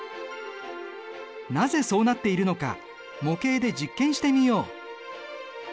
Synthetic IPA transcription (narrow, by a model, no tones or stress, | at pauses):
naze̞so̞ːnat̪ːe̞iɾɯ̟no̞ka̰ | mo̞ke̞ːd̪e̞d͡ʑikːẽ̞ɰ̃ɕi̥t̪emʲijo̞ː